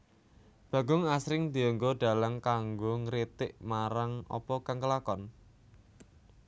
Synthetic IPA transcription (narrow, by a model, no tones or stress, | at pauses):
b̥ä̤ɡʊŋasɾɪŋd̪iɔŋɡoɖ̥a̤laŋkaŋɡoŋɾit̪ɪʔmaɾaŋɔ̰pɔkaŋkəlakɔn